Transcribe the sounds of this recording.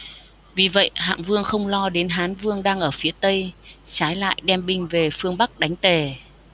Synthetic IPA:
vi˨˩və̰˧˨jɦa̰ː˧˨ŋvɨ˧əŋxə˧wŋ͡mlɔ˧ɗe˨˦nɦaː˨˦nvɨ˧əŋɗaː˧ŋʔəː˧˩fi˨˦ət̪ə˧jt͡ɕaː˨˦jla̰ː˧˨jɗɛ˧mɓï˧ŋ̟ve˨˩fɨ˧əŋɓa˦˥k̚ɗa˨˦ŋ̟t̪e˨˩

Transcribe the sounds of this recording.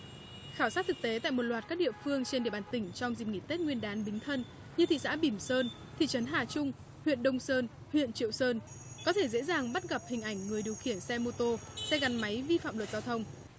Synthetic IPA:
xaː˧˩wsaː˦˥t̚t̪ʰɨ˨˩k̚t̪e˨˦t̪a̰ː˧˨jmo˨˩t̚lwaː˨˩t̚kaː˦˥k̚ɗḭ˧˨əfɨ˧əŋt͡ɕe˧nɗi˧˨əɓaː˨˩t̪ï˧˩ŋ̟t͡ɕɔ˧wŋ͡mzi˨˩p̚ŋi˧˩t̪e˦˥t̚ŋwi˧ənɗaː˨˦nɓï˨˦ŋ̟t̪ʰə˧n | ɲɨ˧t̪ʰḭ˧˨sa̰ː˧˥ɓi˧˩msəː˧n | t̪ʰḭ˧˨t͡ɕə˨˦nɦaː˨˩t͡ɕʊ˧ŋ͡m | hwḭ˧˨ənɗə˧wŋ͡msəː˧n | hwḭ˧˨ənt͡ɕḭ˧˨əwsəː˧n | kɔ˨˦t̪ʰe˧˩zḛ˧˥zaː˨˩ŋɓa˦˥t̚ɣa˨˩p̚hï˨˩ŋ̟ʔa˧˩jŋ̟ŋɨ˨˩əjɗi˨˩əwxi˧˩ənsɛ˧mo˧t̪o˧sɛ˧ɣa˨˩nma˨˦jvi˧fa̰ː˧˨mlwə˨˩t̚zaː˧wt̪ʰə˧wŋ͡m

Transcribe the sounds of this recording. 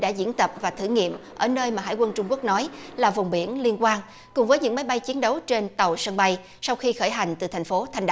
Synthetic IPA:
ɗa̰ː˧˥zḭ˧˥ənt̪ə˨˩p̚vaː˨˩t̪ʰɨ̰˧˩ŋḭ˧˨əmʔəː˧˩nəː˧jmaː˨˩ɦa̰˧˨jkwə˧nt͡ɕʊ˧ŋ͡mku˦˥ək̚nɔ˨˦jlaː˨˩vʊ˨˩wŋ͡mɓi˧˩ənli˧ənkwaː˧n | kʊ˨˩ŋ͡mvəː˨˦jɲɨ̰˧˥ŋma˨˦jɓa˧jt͡ɕi˨˦ənɗə˨˦wt͡ɕe˧nt̪ə˨˩wsə˧nɓa˧j | sa˧wxi˧xəː˧˩jɦa˨˩jŋ̟t̪ɨ˨˩t̪ʰŋ̟fo˨˦t̪ʰa˨˩ŋɗ

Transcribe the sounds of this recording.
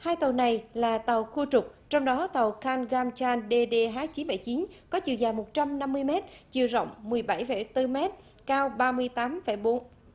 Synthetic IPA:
haː˧jt̪ə˨˩wna˨˩jlaː˨˩t̪ə˨˩wxu˧t͡ɕʊ˨˩k͡p̚t͡ɕɔ˧wŋ͡mɗɔ˨˦t̪ə˨˩wxaː˧nɣaː˧mt͡ɕaː˧nɗe˧ɗe˧ɦaː˦˥k̚t͡ɕi˨˦nɓə̰˧˩jt͡ɕi˨˦nkɔ˨˦t͡ɕḭ˨əzaː˨˩mo˨˩t̚t͡ɕa˧mna˧mːɨ˧əjmɛ˦˥t̚t͡ɕɨ̰˨˩əzə̰˧˨wŋ͡mːɨ˨˩əjɓa˧˩jfə˧˩t̪ɨ˧mɛ˦˥t̚ | kaː˧wɓaː˧mɨ˧əjt̪aː˨˦mfə˧˩jɓo˨˦n

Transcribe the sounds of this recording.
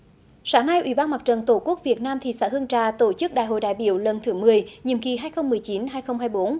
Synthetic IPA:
saː˧˦ŋna˧jʔwḭ˧˩ɓaː˧nma˨˩t͡ɕə˨˩nt̪o˧˩ku˦˥ək̚vi˨˩ət̚naː˧mt̪ʰḭ˨˩sa̰ː˧˥hɨ˧əŋt͡ɕaː˧˩t̪o˧˩t͡ɕɨ˦˥k̚ɗa̰ː˧˨jɦo̰˧˨jɗa̰ː˧˨jɓḭ˧˨əwlə˨˩nt̪ʰɨ˨˦mɨ˨˩əjɲḭ˧˨əmki˨˩ɦaː˧jxə˧wŋ͡mmɨ˨˩əjt͡ɕi˨˦nɦaː˧jxə˧wŋ͡mhɦaː˧jɓo˨˦n

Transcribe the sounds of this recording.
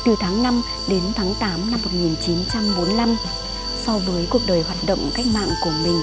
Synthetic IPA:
t̪ɨ˨˩t̪ʰaː˨˦ŋna˧m | ɗe˨˦nt̪ʰaː˨˦ŋt̪aː˨˦mna˧mːo˨˩t̚ŋi˨˩nt͡ɕi˨˦nt͡ɕa˧mɓo˨˦nla˧m | sɔ˧vəː˨˦jku˨˩ək̚ɗəː˨˩jhwaː˨˩t̚ɗə̰˧˨wŋ͡mka˦˥jk̚ma̰ː˧˨ŋku˧˩əmï˨˩ŋ̟

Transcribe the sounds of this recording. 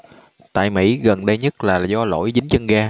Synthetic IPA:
t̪a̰ː˧˨jmḭ˧˥ɣə˨˩nɗə˧jɲə˦˥t̚laː˨˩zɔ˧lo̰˧˥˨jt͡ɕï˨˦ŋ̟t͡ɕə˧nɣaː˧

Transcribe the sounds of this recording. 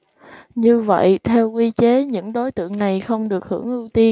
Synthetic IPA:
ɲɨ˧və̰˧˨jt̪ʰɛ˧wkwi˧t͡ɕe˨˦ɲɨ̰˧˥ŋɗo˨˦jt̪ɨ̰˧˨əŋna˨˩jxə˧wŋ͡mɗɨ˨˩ək̚hɨ̰˧˩əŋʔɨ˧wt̪i˧ə

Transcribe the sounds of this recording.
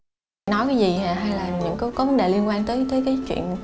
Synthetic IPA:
nɔ˨˦jkaː˨˦jzi˨˩haː˨˩ɦa˧jlaː˨˩ɲɨ̰˧˥ŋkə˨˦kɔ˨˦və˨˦nɗe˨˩li˧ənkwaː˧nt̪əː˨˦jt̪əː˨˦jkaː˨˦jt͡ɕwḭ˧˨ən

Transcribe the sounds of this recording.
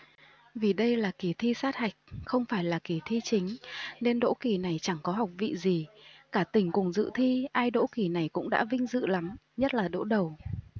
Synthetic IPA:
vi˨˩ɗə˧jlaː˨˩ki˨˩t̪ʰi˧saː˦˥t̚ha˨˩jk̟̚xə˧wŋ͡mfaː˧˩jlaː˨˩ki˧˩t̪ʰi˧t͡ɕï˨˦ŋ̟ne˧nɗo̰˧˥ki˨˩na˨˩jt͡ɕa˧˩ŋkɔ˨˦ɦa˨˩wk͡p̚vḭ˧˨zi˨˩kaː˧˩t̪ï˧˩ŋ̟kʊ˨˩ŋ͡mzɨ̰˧˨t̪ʰi˧ʔaː˧jɗo̰˧˥ki˨˩na˨˩jkʊ̰˧˥ŋ͡mɗa̰ː˧˥vï˧ŋ̟zɨ̰˧˨la˨˦m | ɲə˦˥t̚laː˨˩ɗo̰˧˥ɗə˨˩w

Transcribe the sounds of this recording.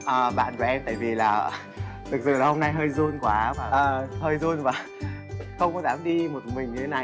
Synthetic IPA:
ʔəː˨˩ɓa̰ː˧˨nku˨˩ʔɛ˧mt̪a̰ː˧˨jvi˨˩laː˨˩ | t̪ʰɨ˨˩k̚sɨ̰˧˨la˨˩ho˧mna˧jɦəː˧jzu˧ənkwaː˨˦aː˨˩əː˨˩həː˧jzu˧ənvaː˨˩ | xə˧wŋ͡mkɔ˨˦zaː˨˦mɗi˧mo˨˩t̚mï˨˩ŋ̟ɲɨ˧t̪ʰe˨˦na˨˩j

